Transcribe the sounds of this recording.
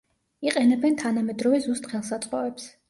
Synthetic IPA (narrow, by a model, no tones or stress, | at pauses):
iqʼɛnɛbɛnt̪ʰanamɛd̪ɾɔvɛzust̪χɛlˠsat̪sʼqʼɔvɛps